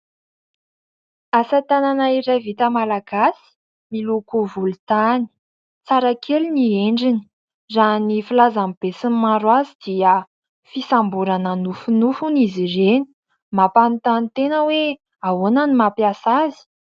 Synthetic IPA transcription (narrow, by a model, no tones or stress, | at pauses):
asat̪ananaiɾavit̪əmalaɡasi̥ | milukuvulut̪ani̥ | t͡saɾakʰelunieɳɖ͡ʐini̥ | zanifilazamib̥esimmaɾwazid̪̥iə | fisambuɾananufunufunizireni̥ | mapant̪anit̪enəwe | awonanimapjasazi̥